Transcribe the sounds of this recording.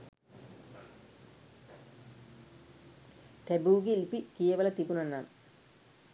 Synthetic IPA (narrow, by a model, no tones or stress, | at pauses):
ʈebuːɡilpikeːʋɐlɐt̪ipunɐnːan